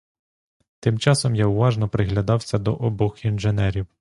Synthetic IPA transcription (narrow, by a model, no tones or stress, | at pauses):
t̪ɪmt͡ʃɑsɔmjawʋɑʒnɔpɾɪɦlʲɐd̪ɑwsʲɐd̪ɔʔɔbɔxinʒenɛɾʲiw